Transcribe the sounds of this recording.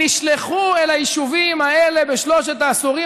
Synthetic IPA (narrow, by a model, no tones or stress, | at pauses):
iʃleχuelajiʃuvimaele̞beʃlo̞ʃet̪aːsuʁi